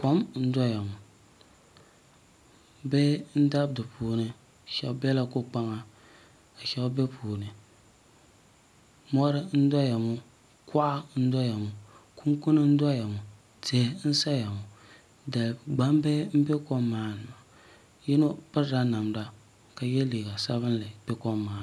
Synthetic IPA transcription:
ko˦mn̩˦dɔ˦ja˨mu˨ | be˦n̩˦da˦b̚dɨ˨pʰuː˨˦˨nɨ˨ | ʃɛ˨lbɛ˦la˦ko˦k͡pa˦ŋa˦ | a˨ʃɛ˦lbɛ˦pʰuː˨nɨ˨ | mɔ˦ɾɨ˦n̩˦dɔ˦ja˨mu˦ | ka˦ʔa˦n̩˦dɔ˦ja˨mu˨ku˦ŋkʊ˦nɨ˦n̩˦dɔ˦ja˨mu˨ | te˨˦n̩˦sa˦ja˨mu˨ | da˨lɡ͡ba˦mbe˦m̩˦be˦ko˦mːaː˦nɨ˨ma˨ | jɛ˦no˦pɨ˦ɾɾa˦na˨mda˦ | ka˨jɛ˦liː˨ɡa˨sa˦βɨ˦n˦lɨ˨b̥ɛ˦kɔ˦mːaː˦˨n˨

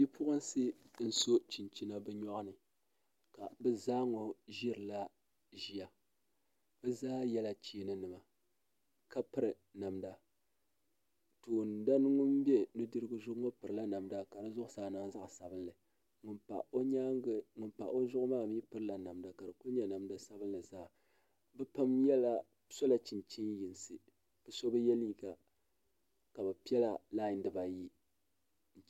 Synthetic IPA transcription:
bi˦pʊ˦ʔɨ˦n˦sɨ˦ | n̩˨so˦t͡ʃi˨n˨t͡ʃi˦na˦bɛ˦ɲɔ˦ʔnɨ˨ | ka˨bɛ˦zaː˦ŋo˨ʒi˦ɾɨ˨la˦ | ʒi˨ja˨ | b̥ɛ˦zaː˦jɛ˦la˦t͡ʃiː˨˦˨nɨ˦nɨ˨ma˨ | ka˦pɨ˦ɾɨ˨ | na˨mda˨ | toː˨nda˦n˦ŋu˦m˦be˦nɨ˦dɨ˦ɾɨ˦ɡɨ˦zʊ˦ŋo˦pɨ˨ɾɨ˨la˦na˨mda˦ka˨dɨ˦zʊ˦ʔʊ˦saː˨nɨ˦ŋza˦ʔsa˨bɨ˦n˦lɨ˨ | ŋʊ˨npa̰˨o˦ɲa˦ŋɡɨ˦ŋʊ˨npa̰˨ʔo˦zʊ˦ʔʊ˦maː˦˨m˦i˦pɨ˦ɾɨ˦la˨na˨mda˨ka˨dɨ˨kʊ˦ɲɛ˦na˨mda˦sa˦bɨ˦n˦la˨zaː˦˨ | bɨ˦pa˦mjɛ˦la˦ | so˦la˦t͡ʃi˨nt͡ʃe˦ji˨nsɨ˨ | b̥ɨ˨so˦bɨ˦jɛ˦li˦ɡa˨ | ka˨bɨ˨pi˦ɛ˦la˨la˦ɪ˨ndɨ˨ba˨ji˦ | n̩˨

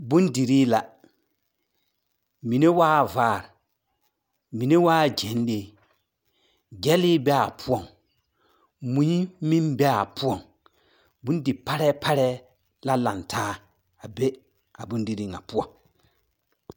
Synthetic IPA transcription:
bu˦ndi˨ɾi˦la˨ | mi˨ne˦waː˦˨vaː˦˨ɾ | mi˨ne˦waː˦˨d͡ʒɛ˨˦n˦le˦ | ɡɛ˦li˦bɛ˦a˨pʰu˦ɔ˦˨ŋ | mũ˨˦i˦mi˦nbɛ˦a˨pu˦ɔ˦˨ŋ | bu˦n˦di˨pa˦ɾɛ˦pʰa˦ɾɛ˦ | la˦la˨ntʰaː˦ | a˨be˦ | a˨bu˦ndi˦ɾi˦ŋa̰˨pu˦ɔ˨ŋ

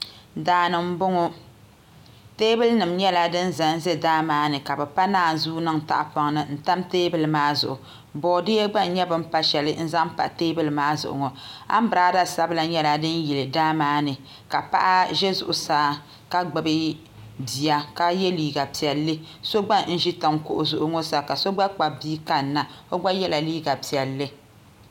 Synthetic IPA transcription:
daː˨nɨ˨m̩˦bʊ˦ŋɔ˦ | teː˦bɨ˦lnɨ˨mɲɛ˦la˦dɨ˦n˦za˨n̩˦zɛ˦daː˦maː˨˦nɨ˨ka˨bɛ˨pa˦naː˦˨zuː˦nɨ˦ŋta̰˨ʔa˨pa˨ŋ˦nɨ˨n̩˦ta˦mteː˦bɨ˦lmaː˦zʊ̰˨ʔʊ˨ | bɔː˨de˦ɡ͡ba˦n˦ɲɛ˦bɨ˦m̩˦pa˦ʃɛ˨lɨ˦n̩˦za˦m˦pa̰˨ʔteː˦bɨ˦lɨ˨maː˦zʊ̰˨ʔʊ̰˨ŋɔ˨a̰˦m˦bɾaː˦da˦sa˦bɨ˦la˨ɲɛ˦la˨dɨ˦n˦jɛ˨lɨ˨daː˦maː˦nɨ˨ | ka˨pa̰˦ʔa˦ʒɛ˦zʊ˨ʔʊ˨saː˦ | ka˦ɡ͡bɨ˨bɨ˦ | bi˨ja˦ka˦jɛ˦liː˦ɡa˨pi˨ɛ˨lːɨ˦ | so˦ɡ͡ba˦n̩˦ʒi˦ta˨mkʊ̰˨ʔʊ˨zʊ˨ʔʊ˨ŋɔ˦sa˨ka˨so˦ɡ͡ba˦k͡pa˨biː˦ka˦nː˨˦a˨o˦ɡ͡ba˦jɛ˦la˨liː˦ɡa˨pi˨ɛ˨lːɨ˦

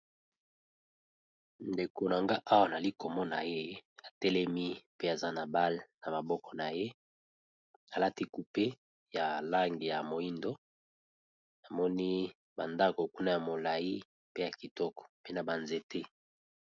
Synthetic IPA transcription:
nde˨ko˨na˨ŋɡa˦ʔa˦wa˦na˨li˦ko˨mɔ˦na˨je˦a˨tɛ˦lɛ˦mi˦pe˦a˨za˦na˨ba˦le˨na˨ma˨bɔ˦kɔ̥˨na˨je˦ | a˨la˦ti˦ku˨pe˦ | ja˨la˦ŋɡi˨ja˨mo˨i˦ndo˦ | na˨mɔ˦ni˦ | ba˨nda˦ko˨ku˦na˦ja˨mo˨la˨ji˦ | pe˦ja˨ki˨tɔ˦kɔ̥˨pe˦na˨ba˨nze˨te˦

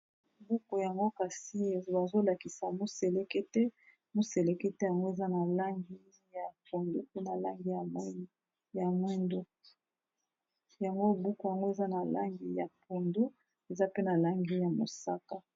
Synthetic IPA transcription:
bu˦ko˨ja˨ŋɡo˦ka˨si˦e˨ba˨zo˦la˨ki˨sa˨mo˦se˨le˦ke˦tɛ˦ | mo˦se˨le˦ke˦tɛ˦ja˨ŋɡo˦e˨za˦na˨la˦ŋɡi˦ | ja˨po˨ndo˦pe˦na˨la˦ŋɡi˦ja˨˦ | ja˨mwɛ˦ndo˦ | ja˨ŋɡo˦˨bu˦ko˨ja˨ŋɡo˦e˨za˦na˨la̰˦ŋɡi˦ja˨po˨ndo˦ | e˨za˦pe˦na˨la˦ŋɡi˦ja˨mo˨sa˦ka˦

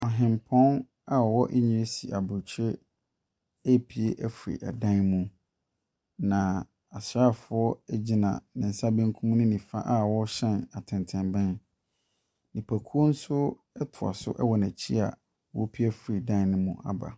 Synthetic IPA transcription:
ɔ˨ɦɪ̃˨mpʰɔ̃˦n | a˨wɔ˦ʔɛ˦ɲĩ˨e˦si˨ʔa˨bʊ˨t͡ɕʰe˦ | æ˦pʰi˨e˦ʔæ˦fɾḭ˨ʔa̰˨dã˦nmũ˦ | nã˨ | a˨sa˦˨fʊ˨˦ɔ˦ɛ˦d͡ʑi˦nã̰˨nɪ̃˨n̩˨sa˦bẽ˦ŋkʰũ˦m˦nʊ̃˦nĩ˨fa˦ʔa˦wɔ˦ɕɛ̃˦˨na˨tʰɪ̃˨ntʰɛ̃˨mbɛ̃˦n | nĩ˨pʰæ˨kʰu˦o˦n̩˦sʊ˦ | ɛ˦tʰʊ˨a̰˨sʊ̰˦ʔɛ˦wɔ˨næ̃˨t͡ɕʰi˦a̰˨ | wɔ̰˦pʰi˦æ˦fɾi˨dã˦n˨nɪ̃˦mũ˦a̰˨ba̰˨

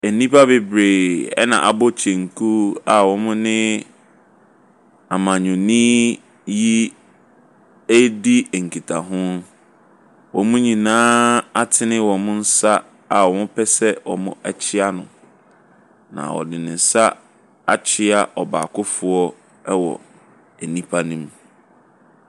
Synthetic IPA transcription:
ɛ˨nĩ˦pa˦bɪ˨bɾeː˨ɛ̰˦nã̰˨ʔa̰˨bɔ˦t͡ɕʰẽ˨ŋ˨kʰu˦a˨wɔ̃˨mʊ̃˦nɪ̃˦ | a˨mã˨ɲʊ̃˨nɪ̃˦ | ji˦ | e˦di˦˨ŋ̩˨kʰi˨tʰa˨ɦʊ̃˦n | wɔ̃˨mʊ̃˦ɲĩ˨nãː˦a˦tʰɪ˦nɪ̃˦wɔ̃˨mʊ̃˦n̩˦sa˦ | a˨wɔ˨mʊ̃˦pʰɛ˦sɛ˦wɔ̰˨mʊ̰̃˦ʔɛ˦t͡ɕʰɪ˦a˦nʊ̃˨ | nã̰˨wɔ̰˨dɪ˨nɪ̃˨n̩˨sa˦ | a˦t͡ɕʰɪ˦a˨ʔɔ˨ba̰ː˨kʰʊ˦fʊ˨ɔ˦ | ɛ˦wɔ̰˨ | æ˨nĩ˦pʰa˦nĩ˦m˨

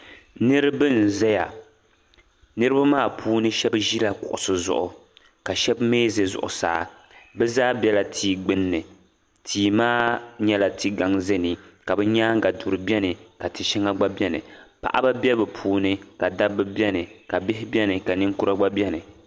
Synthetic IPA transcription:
nɨ˦ɾɨ˦bɨ˦n˨zɛ˦ja˨ | nɨ˦ɾɨ˦ba˦maː˦˨pʰuː˦nɨ˦ʃɛ˦bʒi˦la˦kʊ̰˨ʔʊ̰˨sɨ˨zʊ̰˦˨ʔʊ˨ | ka˨ʃɛ˦bmeː˦ze˨zʊ̰˨ʔʊ̰˨sa̰ː˨˦ | bɛ˦zaː˦bʲɛ˦la˨tʰiː˦ɡ͡bɨ˦nːɨ˨ | tʰiː˨maː˦ɲɛ˦la˨tʰi˦ɡa˨ŋzɛ˦ni˨ka˨bɛ˦ɲaː˦ŋ˦ɡa˨du˨ɾɨ˨bʲɛ˦nɨ˨ka˨tɨ˨ʃɛ˦ŋa˦ɡ͡ba˦bɛ˦nɨ̰˨pa̰˨ʔa˦ba˦bɛ˦bɨ˨pʰuː˦nɨ˦ka˨da˦bɨ˦bɛ˦nɨ˨ka˨bɪ˦ɦɪ˦bʲɛ˦nɨ˨ka˨nɨ˦ŋku˦ɾa˦ɡ͡ba˦bɛ˦nɨ˨

